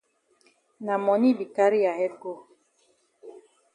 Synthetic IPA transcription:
na˨mɔ˨ni˦bi˨ka˦ɾi˦a˨hɛ˦ɡo˦

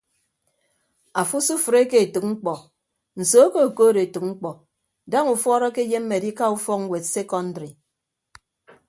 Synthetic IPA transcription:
a˨fu˦su˦fɨ˨ɾe˦ke˦e˨tɨ˨k̚ŋ͡m̩˦k͡pɔ˨ | n̩˨so˨˦ke˦o˨koː˦ɾe˨tɨ˨k̚ŋ͡m̩˦k͡pɔ˨ | da˦ŋu˨fɔ˦ɾɔ˦ke˦je˦mː˦e˨di˦ka˦u˦fɔ˦k̚ŋ̩˦we˨tse˦kɔ˦n̩˦dɾi˨

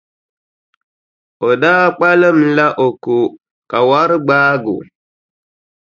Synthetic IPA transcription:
o˨da˦k͡pa˦lə˦m˨la˦ʔo˨ko˨ | ka˨wa˦ɾɡ͡baː˦ɡo̰˨

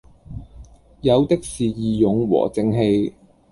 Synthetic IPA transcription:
jɐ˨˧wt̪ɪ˥k̚siː˨jiː˨jʊ˨˧ŋwɔ̰ː˨˩t͡sɪ˧ŋɦe˧j

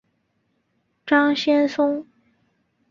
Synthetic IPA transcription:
ʈ͡ʂɑ˥ŋɕjɛ˥nsʊ˥ŋ

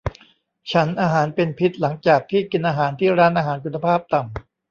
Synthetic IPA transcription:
t͡ɕʰa˦˥nʔaː˧ɦaː˩˦npe˧npʰi˦˥t̪̚la˩˦ŋt͡ɕaː˨˩k̚t̪ʰiː˥˩ki˧nʔaː˧ɦaː˩˦nt̪ʰiː˥˩ɾaː˦˥nʔaː˧ɦaː˩˦nkʰu˧nːa˧pʰaː˥˩p̚t̪a˨˩m

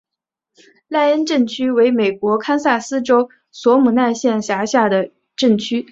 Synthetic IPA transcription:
la˥˧ɪə˥nʈ͡ʂə˥˩ŋt͡ɕʰy˥we˧˥ɪme˨˩ɪkwɔ˧˥kʰa˥nsa˥˩sɹ̩˥ʈ͡ʂo˥ʊ | swɔ˧˥mu˨˩na˥˧nɕjɛ˥˩nɕja˧˥ɕja˥˩d̪ə˩ | ʈ͡ʂɤ˥˩ŋt͡ɕʰy˥

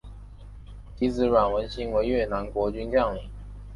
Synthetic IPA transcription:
t̪i˧˥t͡sɹ̩˧˥ɻwa˨˩nwə˧˥nɕi˧˥ŋwe˧˥ɪɥɛ˥˩na˧˥nkwɔ˧˥t͡ɕy˥nt͡ɕjɑ˥˩ŋli˨˩˦

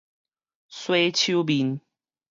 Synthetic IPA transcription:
swe˥˦ɪt͡ɕʰu˦bi˨˦n

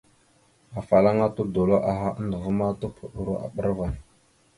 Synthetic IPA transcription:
a˨fa˨la˦ŋa˦tu˦do˨lo˦ʔa˨ɦa˦a˦ndə˨ɣə˦ma˦tu˦pʰu˨ɗu˨ɾo˦ʔa̰˨ɓə˦ɾva˨n

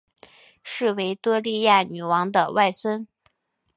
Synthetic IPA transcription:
ʂɻ̩˥˩we˧˥ɪt̪wɤ˥li˥˧ja˥˩ny˨˩wɑ˧˥ŋd̪ə̰˧wa˥˩ɪswə˥n

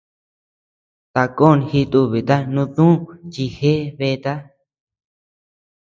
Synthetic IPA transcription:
t̪a˧ko˦˨n˧hi˧t̪u˧βi˨t̪a˦nũ˧ðũ˦˨t͡ʃi˧he˦βe˧t̪a˦

